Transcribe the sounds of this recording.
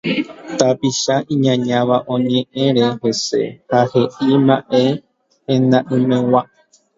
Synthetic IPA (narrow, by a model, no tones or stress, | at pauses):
t̪apiʃaʔĩɲãɲãʋaʔõ̞ɲẽʔẽɾe̞he̞se̞̰hahe̞ʔimaʔe | ẽnd̪ãʔɨ̃mẽwa